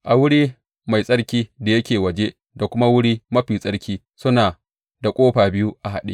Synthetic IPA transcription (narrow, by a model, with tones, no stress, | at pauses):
ʔa˨wʊ˦ɽiː˦ | ma˨jsʼɐ˦ɽkʲiː˦da˨jɐ˦kʲeː˨wɐ˨d͡ʒe˦ | da˨kʷʊ˦ma˦wʊ˦ɽiː˦mɐ˦ɸiː˨sʼɐ˦ɽkʲiː˦ | sʊ˦naː˨ | da˨kʷʼoː˦ɸaː˨bɪ˦ju˦ʔa˨ɦa˨ɗḭ˦